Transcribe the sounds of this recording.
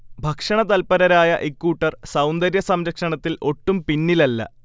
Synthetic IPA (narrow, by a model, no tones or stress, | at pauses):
bʱɐkʂɐɳɐt̪ɐlpɐɾɐɾaːjɐʔekːuːʈːɐrsɐwnd̪ɐɾjɐsɐmɾɐkʂɐɳɐt̪ːilʔo̞ʈːumpinːilɐlːɐ̰